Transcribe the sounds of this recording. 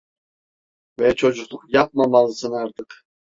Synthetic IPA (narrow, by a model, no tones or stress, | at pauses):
vet͡ʃʰo̞d͡ʒuqlˠuqjɑp̚mɑmɑlˠɯsɯnɑɾt̪ʰɯq